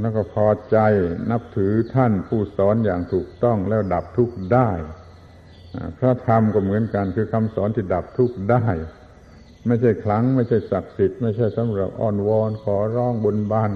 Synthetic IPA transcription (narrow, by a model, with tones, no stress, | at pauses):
lɛː˦˥˩wkɔː˥˩pʰɔː˧t͡ɕa˧jna˦˥p̚t̪ʰɯː˩˦t̪ʰa˥˩npʰuː˥˩sɔː˩˦njaː˨˩ŋt̪ʰuː˨˩k̚t̪ɔ˥˩ŋlɛː˦˥˩wda˨˩p̚t̪ʰu˦˥˩k̚daː˥˩j | ʔa˧˩kʰɾaː˧˥˩t̪ʰa˧mkɔː˥˩mɯ˩˦ənka˧nkʰɯː˧kʰa˧msɔː˩˦nt̪ʰiː˥˩da˨˩p̚t̪ʰuː˦˥˩k̚daː˥˩j | ma˥˩jt͡ɕʰa˥˩jkʰla˦˥ŋma˥˩jt͡ɕʰa˥˩jsa˨˩k̚si˨˩t̪̚ma˥˩jt͡ɕʰa˥˩jsa˨˦mɾa˨˩p̚ʔɔ̰ː˧˩nwɔː˧nkʰɔː˩˦ɾɔː˧˩ŋbo˧nbaː˧˩n